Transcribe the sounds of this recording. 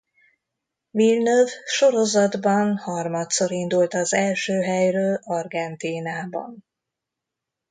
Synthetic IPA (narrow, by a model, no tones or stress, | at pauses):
vilnøvʃo̞ɾo̞zɒd̪bɒnhɒrmɒt̪so̞ɾind̪ult̪ɒzɛlʃøːɦɛjrøːlɒrɡɛnt̪iːnaːbɒ̰n